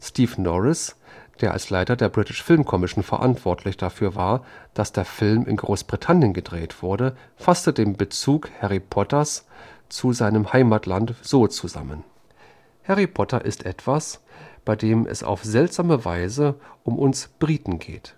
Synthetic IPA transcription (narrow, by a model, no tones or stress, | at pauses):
stiːfnɔʁɪsd̥eːɐʔa̰lslaɪtɐdeːɐbʁɪtɪʃfɪlmkʰɔmɪʃoːnfɛɐʔa̰ntv̥ɔɐtʰlɪçd̥afyːɐvaːɐd̥asd̥eːɐfɪlmʔɪ̰nɡʁoːsb̥ʁitʰanjənɡədʁeːtv̥ʊɐdə | fastədeːmbət͡suːkhɛʁipʰɔtɐst͡suzaɪnəmhaɪmatlantz̥oːt͡suza̰mən | hɛʁipʰɔtɐʔɪstʔɛtv̥asb̥aɪdeːmʔɛ̰sa̰ʊfz̥ɛltz̥aːməva̰ɪzəʔʊmʔʊnsb̥ʁiːtn̩ɡḛːt